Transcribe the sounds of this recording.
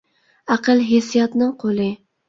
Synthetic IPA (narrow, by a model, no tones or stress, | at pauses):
æqəlˠɦesijɑt̪nɨŋqʰolˠɨ